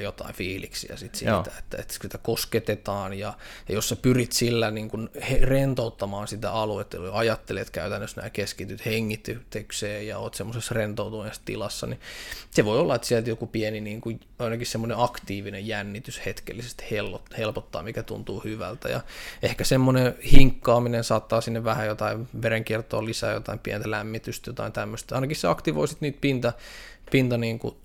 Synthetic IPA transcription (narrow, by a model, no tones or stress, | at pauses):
jot̪ɑ̰ifiːlḭksḭæ̰sit̪sḭt̪æe̥t̪ːæḛt̪sit̪ækosket̪et̪ɑːnjɑjɑjossepyrit̪silːæniːŋkunherent̪out̪ːɑmɑːnsit̪æ̰ɑluet̪ːoɑjɑt̪ːelet̪kæyt̪ænːøsnæ̰ːkeskit̪yt̪heŋːit̪ːyt̪ekseːjɑoːt̪semːosesrent̪out̪umest̪ḭlɑsːɑ̰niseʋoiolːɑet̪siɛlt̪jokupieniniːŋkuj | ɑinɑkihsemːoneɑkt̪iːʋinejjænːit̪yshet̪kḛlːisest̪helːohelpot̪ːɑ̰ːmikæt̪ṵnt̪uːhyʋæ̰lt̪æ̰jɑ̰ehkæsemːonehiŋkːɑːminensɑːt̪ːɑːsinːeʋʋæhæjot̪ɑiʋʋeɾeŋkirt̪ˑo̰ːlisæ̰ːjo̰t̪ɑimpiɛ̰nt̪ælæmːit̪yst̪jot̪ɑ̰int̪æmːøst̪ɑinɑkihsseɑkt̪iʋo̰isit̪niːt̪̚pint̪ɑ | pint̪ɑniːŋku